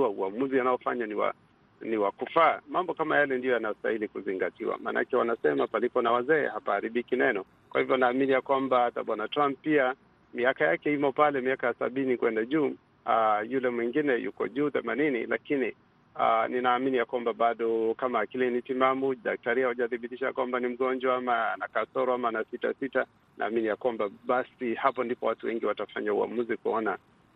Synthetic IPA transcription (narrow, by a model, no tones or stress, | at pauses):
auamuzianajɔfa̰ɲaniwa̰ | niwakufaːmambɔkamajalɛndijɔjanasta̰hilikuziŋɡatiwa̰ma̰ːna̰kɛwanasɛmapalipɔnawazɛ̰ːhapahaɾiɓikinɛnɔ | kwahivjɔnaːminijakwambaataɓwanatɾamppia | miakajakɛimɔpalɛmiakajasa̰ɓinikwɛndaʄuː | ajulɛmwiŋɡinɛjṵkɔ̰ʄuːθɛmaninḭla̰kini | a̰ninaːminijakwambaɓaɗɔkamaːkilɛnitimamuɗak̚taɾiahuʄaθiɓitiʃaja̰kwambanim̩ɠɔnd͡ʒwaamanakasɔɾɔamanasita̰sita | nʔa̰ːminijakwambaɓasihapɔndipɔwatuwɛŋɡiwatafa̰ɲaṵa̰muzikuɔna